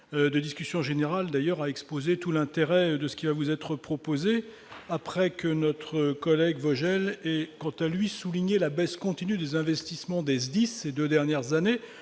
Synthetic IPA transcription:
ød̪əd̪iskʲysjɔ̃ʒeneʁald̪ajœʁaɛkspozet̪ulɛ̃t̪eʁɛd̪əsə̥kʲivavuzɛt̪χəpχɔpoze | apχɛkənɔt̪χəkɔlɛɡvɔʒɛlɛkɑ̃t̪alɥisuliɲelabɛskɔ̃t̪inyd̪ezɛ̃vɛst̪ismɑ̃d̪ɛzd̪isːed̪ød̪ɛʁnjɛʁzane

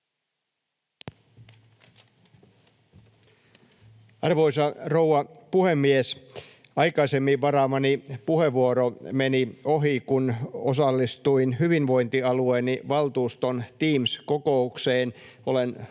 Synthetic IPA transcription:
ɑrʋojsɑrowɑpuhemːies | ɑjkɑisemːiʋʋɑɾɑːmɑnipuhe̞ʋːuoɾomenioɦikunosɑlːist̪uinhyʋinʋo̞jnt̪iɑlueːniʋɑlt̪uːst̪ont̪iːmskoko̞ukseːnʔo̞len

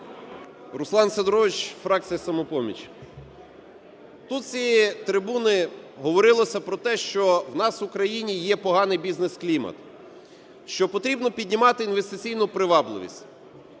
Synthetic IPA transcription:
ɾʊslˠɑnsed̪ɾɔʋɪt͡ʃfɾɑk̚tt͡sʲijɐsɐmɔpɔmʲḭt͡ʃʲ | t̪ut̪̚t͡sʲijit̪ɾɪbunɪɦɔʋɔɾɪlˠɔsʲɐpɾɔt̪ɛʃt͡ʃɔwnɑsʋʊkɾɐjinʲijɛpɔɦɑnɪjbʲiznesklʲimɐ̰t̪ | ʃt͡ʃɔpɔt̪ɾʲibnɔpʲidʲnʲimɑt̪ɪːnʋest̪ɪt͡sʲijnʊpɾɪʋɑblˠɪ̰ʋʲḭsʲtʲ

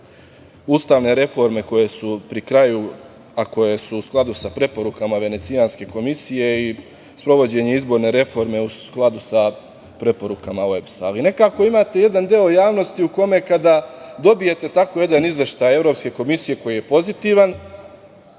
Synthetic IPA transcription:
ust̪aːʋne̞ɾe̞fo̞ɾme̞ko̞je̞supɾikɾaju | ako̞je̞suːsklˠad̪usapɾe̞po̞ɾukamaʋe̞ne̞t̪sijanske̞ko̞misije̞i | spɾo̞ʋo̞d͡ʑe̞ɲe̞izbo̞ɾne̞ɾe̞fo̞ɾme̞usklˠad̪usa | pɾe̞po̞ɾukamae̞bsaːline̞kaːko̞imaːt̪e̞je̞d̪and̪eo̞jaːʋno̞st̪iuko̞me̞kad̪ad̪o̞bije̞t̪e̞t̪ako̞je̞d̪anizʋe̞ʃt̪aːje̞vɾo̞pske̞ko̞misije̞ko̞jije̞po̞zit̪iʋan

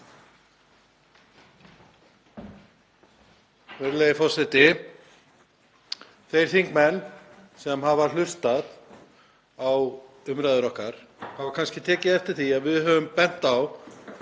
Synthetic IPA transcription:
vɛɾleːjɪfɔrsɛt̪ɪ | θejɾ̥θiŋkmɛnːsɛmɦavalʏst̪að | aw | ʏmɾajðʏɾɔhkaɾ̥ | havakʰanscɪt̪ʰɛːcɪðɛft̪ɪɾ̥θiaðvɪðɦœːvʏmpɛn̥t̪aw

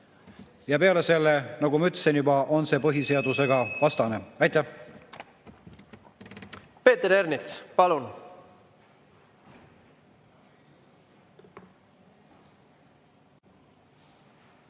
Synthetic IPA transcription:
jɑpe̞ɑle̞se̞lːenɑɡumɑyt̪ːˑsinjubɑʔo̞nse̞ːpɤɦiseɑd̪̥use̞ɡɑvɑst̪ɑne̞ɑjt̪ːˑæh | pe̞ːt̪eɾeɾnit̪spɑlun

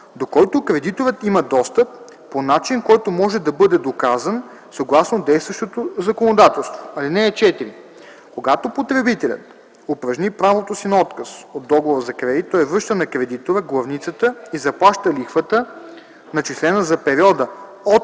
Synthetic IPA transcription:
d̪okɔjt̪ʊkɾɛd̪it̪oɾət̪imɐd̪ɔst̪əpː | onat͡ʃinkɔjt̪omɔʒɛd̪ɐbɤd̪ɛd̪okazən | sɐɡlˠasnod̪ɛjst̪vɐʃt̪ot̪ozɐkonod̪at̪ɛlˠst̪voɐlinɛːt͡ʃɛt̪iɾi | koɡat̪opot̪ɾɛbit̪ɛlʲə̰t̪ | opɾɐʒnipɾavot̪osinɐɔt̪kəsod̪ːɔɡovoɾzɐkɾɛd̪it̪ːɔɛvɾɤʃt̪ənɐkɾɛd̪it̪oɾəɡlˠɐvnit̪sət̪əizɐplˠaʃt̪əlixvət̪ə | nɐt͡ʃislɛnəzɐpɛɾiɔd̪ə | ot̪

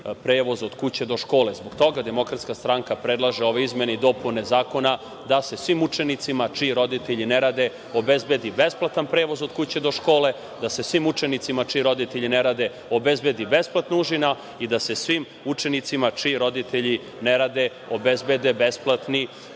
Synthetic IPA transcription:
pɾeːʋo̞zod̪kut͡ɕe̞d̪o̞ʃko̞ːlezboɡ̥t̪o̞ɡad̪e̞mo̞kɾat̪skast̪ɾaŋkapɾed̪lˠaʒeo̞ʋeizmenid̪o̞punezaːko̞na | d̪ase̞sʋimut͡ʂenit̪simat͡ʂiɾo̞d̪it̪eʎineɾaːd̪e̞ | obezbed̪ibesplˠat̪anpɾeːʋo̞zod̪kut͡ɕe̞d̪o̞ʃko̞ːle̞ | d̪ase̞sʋimut͡ʂenit̪simat͡ʂiɾo̞d̪it̪eʎineɾaːd̪e̞ | obezbed̪ibesplat̪nouʒina | id̪ase̞sʋim | ut͡ʂenit̪simat͡ʂiɾo̞d̪it̪eʎi | neɾaːd̪e̞ | obezbe̞d̪ebesplˠat̪ni

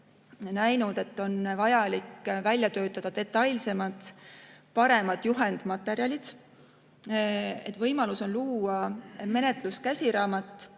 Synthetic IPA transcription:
næjnud̪̥e̞t̪ːo̞nvɑjɑlikːvælʲjɑt̪ø̞ːt̪ːˑɑd̪̥ɑd̪e̞t̪ːˑɑjlse̞mɑt̪ˑpɑɾe̞mɑd̪̥juɦend̪̥mɑt̪ːˑe̞ɾjɑlʲid̪̥ | e̞t̪ːˑvɤjmɑluso̞nluːɑme̞ne̞t̪ˑluskæsʲiɾɑːmɑt̪ˑː

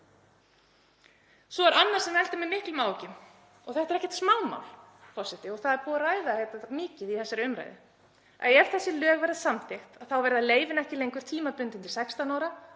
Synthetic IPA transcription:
sɔaɾanːaɾ̥sɛmɛlt̪ʏmɛmɪhklʏmaːwcɪm | ɔɣθɛht̪ɛɾɛhcɛ̥t̪smaːwma̰wl | fɔrsɪht̪ɪɔɣθaðɛɾpuːɣaraːjðahejt̪amɪːcɪðiθɛsːaɾʏmɾa̰jðɪ̰ | a̰ðɛɾ̥θɛsːɪlœːɣvɛɾðasamtθext̪aðθawvɛɾðaleːjvɪnɛhcɪlejŋkʏɾ̥t̪ʰiːmapʏnt̪ɪnt̪ɪlsɛkst̪anaːwɾa

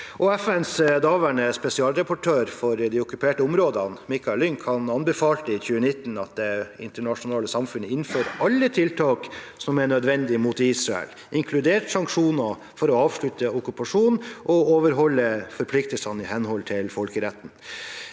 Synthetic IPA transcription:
ʔɔɛfɛnsd̪ɑːʋæɳəspɛsɪɑːlɾɛpɔʈʰøːɾfɔɾd̪ɪɔkʉpʰeːʈəʊmɾoːd̪ɑnmɪkɑɛlʏŋkʰɑnɑnbəfɑːlt̪əɪçʉːənɪt̪ːnɑt̪̚d̪ɛɪ̰nt̪əɳɑʂʊnɑːləsɑmfʉnəɪnːføːɾʔɑlːət̪ʰɪlt̪ʰɑːksɔmɛɳœd̪ʋɛnd̪ɪmut̪iːsɾɑɛ̰l | ʔɪŋkʰlʉd̪eːʈsɑŋkʂuːnɑ | fɔɾɔɑːʋʂɭʉt̪əɔkʉpɑʂuːnʔɔoːʋəɾɦɔlːəfɔɾpʰlɪk̚t̪əlsɑnɪhɛnhɔlt̪ʰɪlfɔlkəɾɛt̪ːn̩

